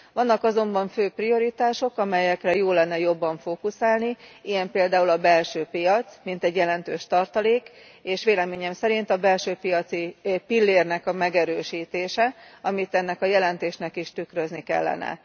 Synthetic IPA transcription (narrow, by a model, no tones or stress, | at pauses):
ʋɒnːɒkɒzo̞mbɒɱføːprijo̞ɾit̪aːʃo̞kɒmɛjɛkrɛjoːlːɛnːɛjo̞bːɒɱfoːkusaːlniijɛmpeːld̪aːulɒbɛlʃøːpijɒt̪smint̪ɛɟːjɛlɛnt̪øːʃt̪ɒrt̪ɒleːk | eːʃʋeːlɛmeːɲɛmsɛɾint̪ɒbɛlʃøːpijɒt̪sipilːeːrnɛkɒmɛɡɛɾøːʃiːt̪eːʃɛɒmit̪ɛnːɛkɒjɛlɛnt̪eːʃnɛkiʃt̪ykɾø̞znikɛ̰lːɛ̰nɛ̰